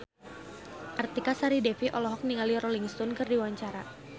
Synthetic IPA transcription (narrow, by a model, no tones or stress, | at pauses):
ʔart̪ikasaɾidɛfiʔɔlɔɦɔk̚niŋaliɾɔliŋst̪ɔnkɨrdiwaɲt͡ʃaɾa